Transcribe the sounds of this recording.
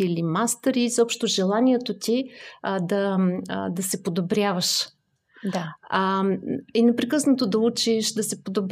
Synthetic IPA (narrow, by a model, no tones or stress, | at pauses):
iilimast̪ɾizɔpʃt̪oʒɛlˠaniɛt̪ot̪ʲid̪ɐ | d̪ɐsɛpod̪obɾʲjavəʃ | d̪a | inɛpɾɛkɤsnot̪od̪ɐut͡ʃiʃd̪ɐsɛpod̪ob